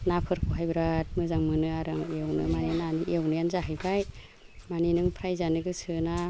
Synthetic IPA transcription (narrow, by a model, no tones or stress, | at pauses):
napʰɯɾpʰɔɦajbɾat̚mɯzaŋmɯnɯaɾaŋewnɯ̰maniananiʔewnɯanzaɦajbaj | maninɯŋpʰɾajzanɯɡɯsɯna